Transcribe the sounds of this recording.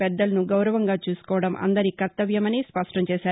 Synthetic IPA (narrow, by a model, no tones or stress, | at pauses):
pɛd̪ːɐlɐnuɡɐwɾɐʋɐŋɡaːt͡ʃuːsu̥kɔːʋɐɽɐmʔɐ̰nd̪ɐɾikɐɾt̪ɐʋjɐmɐniːspɐʂʈɐmt͡ʃɛːʃaːɾu